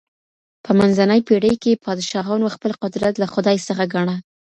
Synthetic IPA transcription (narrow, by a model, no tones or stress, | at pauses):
pəmanzanəjpeɽəjkepʰɑd̪ɪʃɑɣɑnwaxpəlqʊd̪ɾat̪laxʊd̪ɑjsəxaɡaɳa